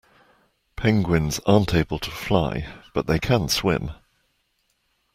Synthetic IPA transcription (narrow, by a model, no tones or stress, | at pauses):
pʰɛ̃ŋɡwɪ̃nzɑ̃ːˑntʰeɪbəlˠtʰə̥flaɪb̥ʌʔðeɪkʰãnswɪ̰̃m